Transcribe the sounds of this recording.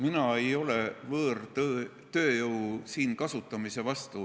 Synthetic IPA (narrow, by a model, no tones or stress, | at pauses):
minɑe̞jo̞le̞vɤːrt̪øː | t̪ø̞ːjɤwsiːnkɑsut̪ːˑɑmise̞vɑst̪u